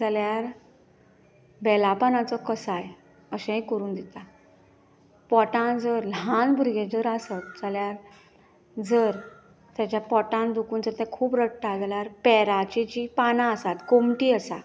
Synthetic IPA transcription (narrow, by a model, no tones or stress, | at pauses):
d͡zaljaɾ | bɛlapanãt͡sɔkəsaj | əɕẽɦĩkəɾuːnd̪it̪a | pɔʈãnd͡zəɾlɦãnbʱuɾɡẽd͡zəɾasat̪̚d͡zaljaɾ | d͡zəɾ | t̪jat͡ɕjapɔʈãnd̪ukuːnd͡zəɾt̪jãkʰuːbɾəkʈad͡zaljaɾpɛɾat͡ɕet͡ɕiːpanãəsat̪komʈiːəsa̰